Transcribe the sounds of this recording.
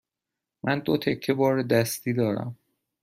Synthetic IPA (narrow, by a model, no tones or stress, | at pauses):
mʔænd̪ot̪ʰe̞kʰːe̞bɒːɾed̪æst̪iːd̪ɒːɾæ̰m